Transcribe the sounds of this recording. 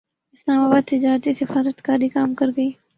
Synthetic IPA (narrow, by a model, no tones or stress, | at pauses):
ɪslaːmaːbaːd̪̚t̪ɪd͡ʒaːɾt̪isɪfaːɾət̪kaːɾikaːmkɐɾɡɐiː